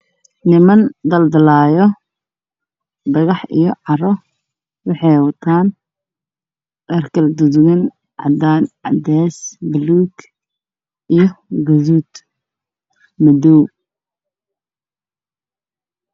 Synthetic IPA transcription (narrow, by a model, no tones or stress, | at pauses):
nɪmɐnd̪ɐld̪ɐlaːjɔ | d̪ɐɣɑħʔḭjɔʕɑrɔ | wɑħɑjwɐt̪ʰaːn | ɐrkʰɐld̪uðɣɐn | ʕɑ̰d̪aːnʕɑ̰d̪ɛːsbɪluːk | ʔijɔɡɐðuːd̪ | mɐd̪uː